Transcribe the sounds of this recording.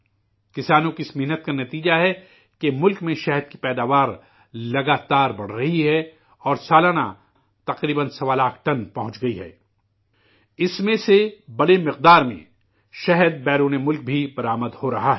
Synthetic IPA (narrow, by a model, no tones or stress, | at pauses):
kɪsaːnõkiɪsmɪɦnət̪̚kanɐt̪iːd͡ʒaɦɛ | kemʊlkmẽʃɛɦəd̪̚kipɛːd̪aːʋaːɾ | lɐɡaːt̪aːɾbɐɽ̤ɾɐɦiɦɛ | ɔːɾsaːlaːña̰ | t̪ɐqɾiːbənsɐʋalaːkʰʈɐnpɐɦʊ̃t͡ʃɡɐiɦɛ̰ː | ɪsmẽsebɐɽemɪqd̪aːɾmḛ̃ | ʃɛɦəd̪̚bɛːɾuːnemʊlk̚bʱibɐɾaːməd̪hoɾɐɦaɦɛː